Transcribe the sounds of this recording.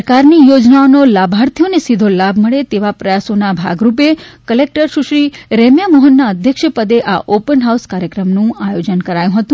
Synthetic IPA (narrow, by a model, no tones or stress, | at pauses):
əɾkaɾnijod͡ʒnaonolabʱaɾt̪ʰijonesid̪ʱolabʱməɭet̪eʋapɾəjasonabʱa̰ɡɾup̬ekəlek̚ʈəɾʃuʃɾiɾemjamɔɦənːaəd̪ʱjəkʃəpəd̪eʔaʔopənɦauskaɾjəkɾəmnũajod͡ʒənkəɾajũɦət̪ũ